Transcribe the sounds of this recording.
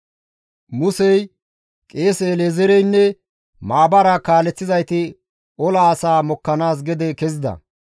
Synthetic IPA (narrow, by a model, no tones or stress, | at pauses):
mʊsɛj | kʼe̞ːsɛːleːzɛɾɛjnːɛ | maːbɐɾɐkaːlɛt͡sːɪzɐjt̪ɪ | ɔlaːsaːmɔkːɐnaːs̬ɡɛd̪ɛkɛzɪd̪ɐ̰